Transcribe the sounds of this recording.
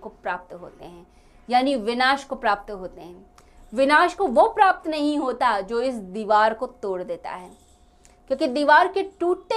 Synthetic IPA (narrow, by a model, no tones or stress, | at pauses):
kopɾaːp̚t̪ɦo̰ːt̪ḛɦɛ̃ː | jaːniʋɪnaːʃkopɾaːp̚t̪ɦoːt̪eɦɛ̃ː | ʋɪnaːʃkoʋopɾaːp̚t̪nɐɦĩɦoːt̪ad͡ʒoːɪsd̪iːʋaːɾkot̪oːɽd̪eːt̪a̰ɦɛː | kjõːkid̪iːʋaːɾkeʈuːʈte